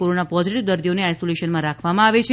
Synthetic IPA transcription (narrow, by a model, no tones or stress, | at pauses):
oɾonapɔziʈiʋd̪əɾd̪ijoneajsoleʃənmãɾakʰʋamãaʋet͡ʃʰe